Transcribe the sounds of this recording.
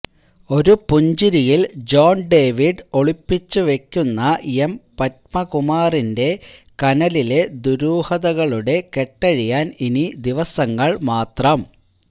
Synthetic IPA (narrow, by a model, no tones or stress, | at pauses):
o̞ɾupuɲd͡ʑiɾijild͡ʑo̞ːnɖe̞ːʋiɖo̞ɭipːit͡ɕːuʋe̞kʲːunːɐempɐt̚mɐkumaːrinde̞kɐnɐlile̞d̪uɾuːhɐðɐɣɐɭuɽe̞ke̞ʈːɐɻijaːninid̪iʋɐsɐŋːɐɭmaːt̪rɐm